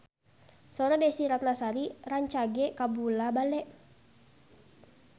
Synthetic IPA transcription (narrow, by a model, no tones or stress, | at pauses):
sɔɾadɛsiɾat̪̚nasaɾiraɲt͡ʃaɡɛkabulabalɛʔ